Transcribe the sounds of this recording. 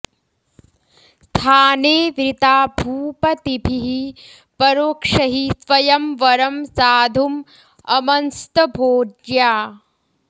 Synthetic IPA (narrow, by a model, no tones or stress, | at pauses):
st̪ʰaːneːʋɾit̪aːbʱuːpɐt̪ibʱiɦi | pɐɾoːkʂɐɦisʋɐjɐmʋɐɾɐmsaːd̪ʱum | ɐmɐnst̪ɐbʱoːd͡ʒjaː